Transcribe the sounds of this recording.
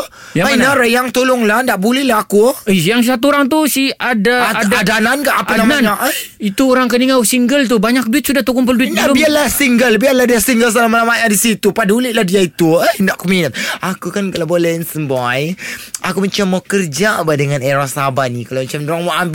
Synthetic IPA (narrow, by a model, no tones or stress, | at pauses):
aainaɾəjaŋt̪olʊŋlandaʔbulɛhlaɦakuəsijaŋsisat̪uoɾaŋt̪usiadaaadaadanankaʔapanamanaʔəj | it̪uoɾaŋkəniŋawsiŋɡəlt̪̬ubaɲak̚duɪt̪̚sudaht̪ukuŋp̬ərduɪtnabialahsiŋɡəlbialadasiŋɡəls̬alamalamaʔadisit̪upadulɪʔ̪̚lahdiait̪uənaʔkɔminət̪̚akukankalabolɛhnsəmbajʔakumat͡ʃamːakərd͡ʒabahdəŋaneɾasabanikalamat͡ʃamdoɾaŋmaʔamb